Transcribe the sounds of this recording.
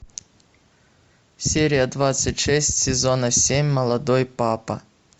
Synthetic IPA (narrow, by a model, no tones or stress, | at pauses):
sʲeɾʲɪjɐd̪vat̪sətʲʂɛsʲtʲsʲɪzonɐsʲemʲmɐlˠɐd̪ojpapɐ